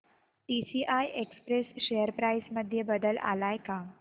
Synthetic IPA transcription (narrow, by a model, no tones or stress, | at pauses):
ʈisiʔajʔekspɾesʃejəɾpɾajsməd̪ʱːjəbəd̪əla̰lajka